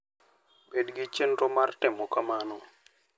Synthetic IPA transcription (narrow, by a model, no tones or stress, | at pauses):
bedɡit͡ʃenɾɔmartɪmɔkamanɔ